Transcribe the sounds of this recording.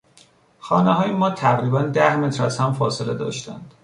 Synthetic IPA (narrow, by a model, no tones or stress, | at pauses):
xɒːneɦɒːjemɒːt̪ʰæɣɾiːbænd̪æhme̞t̪ʰɾæzhæmfɒːseled̪ɒ̰ːʃt̪ænd̪̥